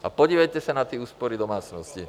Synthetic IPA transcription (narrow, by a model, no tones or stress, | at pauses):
apɔɟiːʋɛjcɛsanat̪iɛuːspɔɾid̪ɔmaːt͡snɔsci